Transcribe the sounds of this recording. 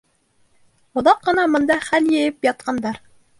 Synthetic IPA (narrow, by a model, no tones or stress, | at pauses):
ŏðɑqːɤ̆nɑmŏnd̪ɑχæljɘ̆jɘpjɑt̪̚qɑnd̪ɑɾ